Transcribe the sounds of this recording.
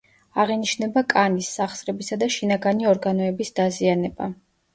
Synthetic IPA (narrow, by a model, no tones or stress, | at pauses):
aʁiniʃnɛbakʼanisːaχsɾɛbisad̪aʃinaɡaniɔɾɡanɔɛbisd̪̥azianɛba̰